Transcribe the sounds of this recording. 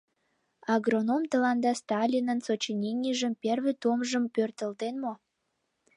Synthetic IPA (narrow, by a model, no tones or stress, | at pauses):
ɑɡronomt̪əlɑnd̪ɑst̪ɑlʲinənsot͡ɕinʲinʲiʒəmpʲerβĕt̪umʒəmpørt̪əlt̪enmo